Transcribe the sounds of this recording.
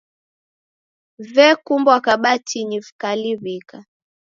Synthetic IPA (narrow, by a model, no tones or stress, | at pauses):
vɛkumbwakaɓatʰiɲifkaliβika